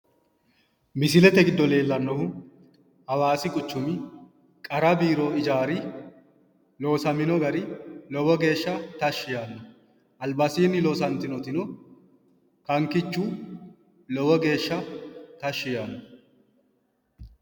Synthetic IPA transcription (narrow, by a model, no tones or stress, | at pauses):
mɪsɪlɛt̪ɛɡɪd̪ːɔle̞ːlːɐnːɔhʊ | hɐwaːsɪkʼʊt͡ʃːʊmɪ | kʼɐɾɐbiːɾo̞ːɪd͡ʒaːɾɪ | lo̞ːsɐmɪnɔɡɐɾɪlɔwɔɡe̞ːʃːɐt̪ɐʃːɪjaːnːɔ | ʔɐlbɐsiːnːɪloːsɐnt̪ɪnɔt̪ɪnɔ | kɐŋkɪt͡ʃːuː | lɔwɔɡe̞ːʃːɐt̪ɐʃːɪjaːnːɔ